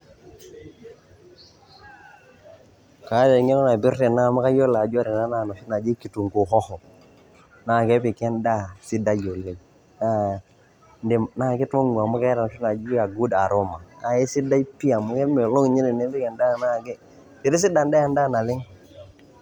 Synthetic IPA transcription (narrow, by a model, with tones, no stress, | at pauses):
ka˨˦de˨ŋi˦nɔ˦na˨bi˦ɾte˨na˦˨ma˦ka˦jo˦la˨d͡ʒɔ˦ɾi˨na˦na˦˨nɔ˨ʃi˦na˨d͡ʒi˦ki˨tu˨ŋku˨ɦɔ˦hɔ˨ | na˦˨kɛ˦pi˨kɛ˦nda˦˨si˦da˦jo˨lːe˦ | na˦ | nde˨mna˦˨ki˦to˦ŋu˨a˨mu˦ka˦ɾa˨nɔ˨ʃi˦na˨d͡ʒi˦a˨ɡu˦da˨ɾo˦ma˨a˨je˦si˦da˦i˦pi˦a˨mu˦kɛ˦me˨lo˦ŋ˨ɲi˦ni˨ne˦bi˦kɛ˨nda˦˨na˦˨kɛ˦ | i˨ɾi˦s̬i˦da˨nda˦ja˨nda˦˨na˨lɪ˦ŋ